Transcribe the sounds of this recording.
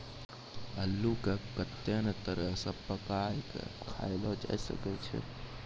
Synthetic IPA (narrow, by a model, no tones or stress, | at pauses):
əlːukekət̪ːenət̪əɾəsəbpəkajkḛkʰa̰jlɔd͡ʒa̰sə̰kɛt͡ʃʰɛ̰